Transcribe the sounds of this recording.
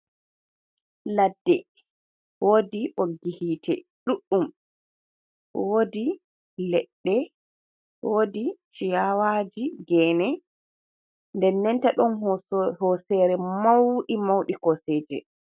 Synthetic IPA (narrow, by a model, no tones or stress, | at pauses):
ladːɛ | woːdiʔoɡihiːtʰɛ̰ | ɗuɗːum | woːdi | lɛɗːɛ | wodit͡ʃijawaːd͡ʒiɡɛːnɛ | ndɛnːɛntaɗɔnhɔsɛːɾɛmawɗimawɗikɔseːd͡ʒɛ̰